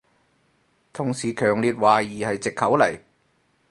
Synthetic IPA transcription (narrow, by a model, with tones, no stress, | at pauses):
t̪ʰʊ˨˩ŋsiː˨kʰœː˨˩ŋliː˧t̚waː˨˩jiː˨hɐ˨jt͡sɪ˨kʰːɐ˨˥wlɐ˨˩j